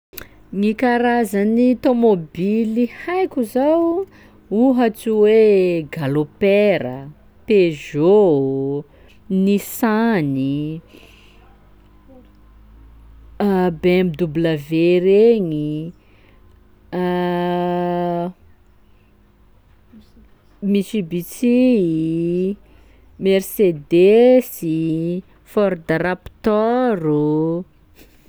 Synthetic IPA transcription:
ŋikaɾazənit̪omobilihajkʲuzaw | uɦat͡siweɡalopeɾə | peʒo | nisani | bemid̪ubləveɾeɲi | miʃibit͡si | mɛrsed̪esi | fɔɾd̪aɾapt̪ɔɾu

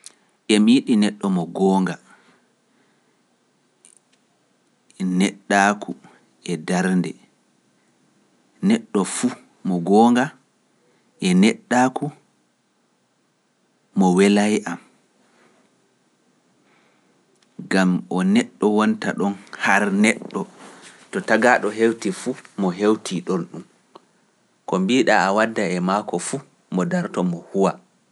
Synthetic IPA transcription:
ʔɛmijiɗinɛɗːɔmɔɡɔːŋɡa | nɛɗːakʰu | ɛdaɾndɛ | nɛɗːɔfu | mɔɡɔːŋɡa | ʔɛnɛɗːaku | mɔwɛlajʔam | ɡamʔɔnɛɗːɔwɔnta̰ɗɔnhaɾnɛɗːɔ | tɔtaɡaɗɔɦewtifuːmɔɦewtʰiɗonɗum | kɔmbiɗaawadːaɛmakɔfuː | mɔdaɾtɔmɔhuwa

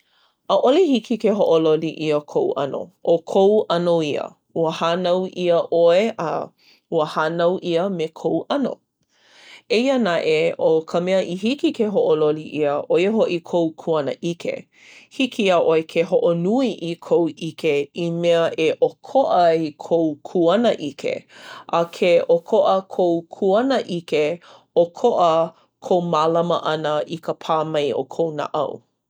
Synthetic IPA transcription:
əʔolihikʰikeɦoʔololiʔiəkʰowʔɐ̰no̰ʔokʰowɐnoiə̰ | uəhanɐwʔiəʔoeʔə̰ | uəhanɐwʔiəmekʰowʔɐno̰ | eiənaʔeokʰəmɛəʔiɦikikeɦoʔololiʔiəʔojeɦoʔikʰowkʰuɐnə̰ʔikʰḛ | hikʰiaʔoekʰeɦoʔonuiʔikʰowʔikeimeəʔeʔokʰoʔɐikʰowkʰuɐnəʔikʰḛʔɐkʰeʔokʰoʔəkʰowkʰuɐnəʔike | okʰoʔə | kʰowmalɐməʔɐnəʔikəpʰaːmɐjo̰kʰowna̰ʔɐ̰w

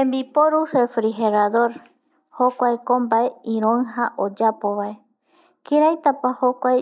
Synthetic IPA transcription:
pẽmbipoɾuɾefɾiɦeɾaðo̞ɾ | hokʷajkombaeĩɾ̃õŋɦaʔod͡ʒapoβae | kiɾajt̪apahokʷaj

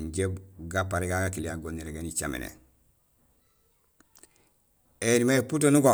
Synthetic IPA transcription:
ɲɟebɡapaɾiɡaɡakiliaɡonːiɾeɡenit͡ʃamḛnḛ | enimeputonuɡo

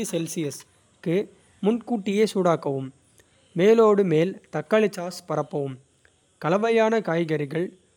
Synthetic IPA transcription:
isɛlsɪjɐs | kɯ | mʊnkuːʈːɪjeːsuːɽaːkːɐʋɯmː | eːloːɽɯmeːlt̪ɐkːɐɭɪt͡ʃːaːspɐɾɐpːɐʋɯm | kɐlɐʋɐjaːnɐkaːjɣɐɾɪɣɐɭ

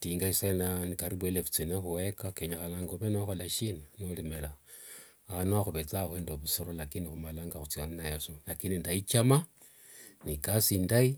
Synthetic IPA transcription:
tiŋɡaisananikaɾiβwelefu̥t͡sinexuwekakeɲaxanaŋɡoβenoxolaʃinanolimela | anoaxuβet͡saxwendoβusoɾolakinixumalaŋɡaxut͡sianinajesolakinindait͡ʃama | nikasindai

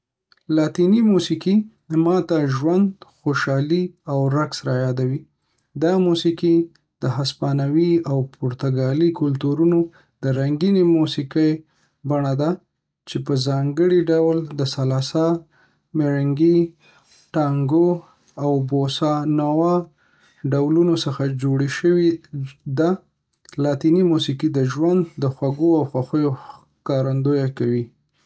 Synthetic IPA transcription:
lɑt̪inimusiki | mɑt̪aʒwand̪xoʃɑliawɾaksɾajɑd̪awi | d̪ɑmusiki | d̪̥əɦaspɑnawiawpʰʊɾt̪aɡɑlikʊlt̪uɾuno | d̪̥əɾaŋɡinemusikəj | baɳad̪a | t͡ʃepəzɑŋɡəɽiɖawld̪əsalɑsɑ | meɾaŋɡi | ʈɑŋɡo | awbosɑnawɑ | ɖawlunosəxad͡ʒoɽeʃəwid̪a | lɑt̪inimusikid̪əʒwand̪ːəxwaɡoawxaxəjo | kɑɾand̪ojakawi

